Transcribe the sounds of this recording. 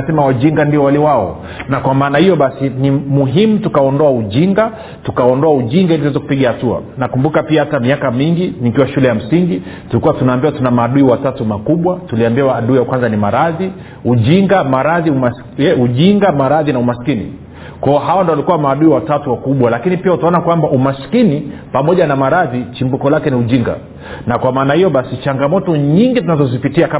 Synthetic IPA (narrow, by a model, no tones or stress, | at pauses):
sɛmawaʄiŋɡandiɔwaliwaɔ̰ | nakwamaːnahijɔɓasinimuɦimutukaɔndɔauʄiŋɡa | tukaɔndɔauʄiŋɡailizwɛzɔku̥piɠahatua̰nakumbukapiahatamiakamiŋɡinikiwaʃulɛjam̩siŋɡitulikuwatunaːmbiwatunamaːɗuiwatatumakuɓwatuliambiaːɗuːjakwanzanimaɾaði | uʄiŋɡamaɾaðiumas | ɛuʄiŋɡamaɾaðinaumasi̥kinḭ | kwaɔɦawandɔwalikuwamaːɗuiwatatuwakuɓwalakinipiautaɔnakwambaʔumaskinipamɔʄanamaɾaðit͡ʃimbukɔlakɛniuʄiŋɡa̰ | nakwamaːnahijɔɓasit͡ʃaŋɡamɔtɔɲiŋɡitunazɔzipitiaka